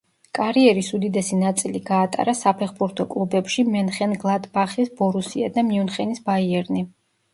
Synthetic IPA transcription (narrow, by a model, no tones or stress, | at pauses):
kʼaɾiɛɾisud̪id̪ɛsinat̪sʼiliɡaːt̪ʼa̰ɾasapʰɛχbuɾt̪ʰɔkʼlˠubɛpʃimɛnχɛnɡlˠat̪ʼbaχisbɔɾusiad̪amiunχɛnisbaiɛɾni